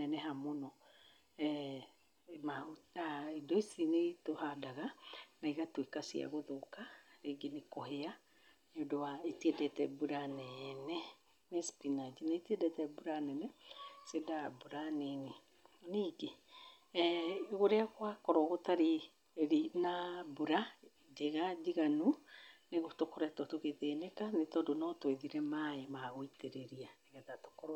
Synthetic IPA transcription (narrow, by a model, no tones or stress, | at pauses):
nɛnɛɦamonɔ | ɛ | maotaedɔisinetohadaɣanaiɣatwekasḭa̰ɣoðokaɾeɡenekɔhea | nodowaitiɛdɛtɛ̰buɾanɛnɛ | nɛspinad͡ʒinaitiɛdɛtɛbuɾanɛnɛsedabuɾanene | niɡe | ɣoɾeakwakɔɾɔɣotaɾe | ɾinabuɾa | d͡ʒeɣad͡ʒiɣanuneɣotokoɾɛtɔtoɣeðenekanetɔdonɔtweðiɾɛmaemaɣoiteɾeɾianeɣɛtato̥koɾ